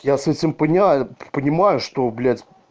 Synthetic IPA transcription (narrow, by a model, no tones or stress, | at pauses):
jasɛtʲɪmpənʲɪapənʲɪmajʊʂt̪oblʲædʲ